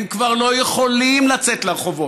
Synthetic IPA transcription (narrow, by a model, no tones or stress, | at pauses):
mkvaʁlo̞jeχo̞limlat͡set̪leʁeχovo̞